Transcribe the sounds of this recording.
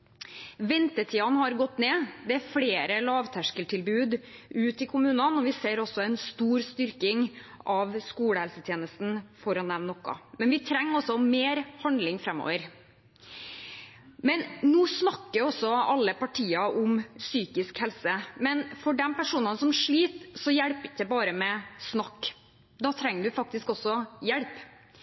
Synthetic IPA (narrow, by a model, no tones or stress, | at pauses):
ʋɛnt̪ət̪ʰiːɑnhɑɾɡɔt̪ːneːd̪ɛæɾfleːɾəlɑːʋt̪ʰæʂkəlʈ̪ʰɪlbʉːd̪ʉːt̪ɪkʰʊmʉːnənɔʋɪseːɾɔsːɔɛnst̪uːɾst̪ʏɾkɪŋʔɑʋskuːɽəɛlsət̪ʰjeːnəst̪n̩fɔɾɑnːɛʋnːɔkːɑ̰mɛnʋɪt̪ʰɾɛŋːɔsɔmeːɾhɑnd̪lɪŋfɾɛmːo̰ːʋəɾ | mɛnnuːsnɑkːəɾɔsːɔɑlːəpɑʈʰiːɑʔʊmsyːkɪskhɛlsəmɛnfɔɖɛmpæʂuːnɑnsɔmʂɭiːt̪sɔjɛɽpɪd̪ɛbɑːɾəmɛsnɑkː | d̪ɑːt̪ʰɾɛŋːəɖʉfɑk̚t̪ɪskɔsːɔjɛɽp